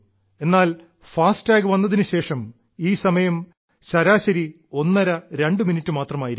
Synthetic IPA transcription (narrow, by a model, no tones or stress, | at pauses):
e̞nːaːl | faːstaːɡɨʋɐnːɐðinɨɕe̞ːʂɐm | iːsɐmɐjɐm | ɕɐɾaːɕɐɾi | o̞nːɐɾɐɾe̞ɳɖɨminitːɨmaːt̪rɐmaːjiɾ